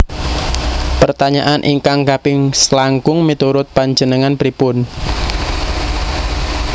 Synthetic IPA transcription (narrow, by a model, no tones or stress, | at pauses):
pərt̪aɲaʔanʔiŋkaŋkapɪŋslaŋkʊŋmit̪uɾʊt̪̚paɲd͡ʒənəŋanpɾipʊn